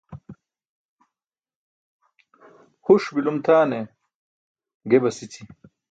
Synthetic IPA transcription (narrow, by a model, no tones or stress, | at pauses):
huʂbilumt̪ʰaːne | ɡebɐsit̪ʰi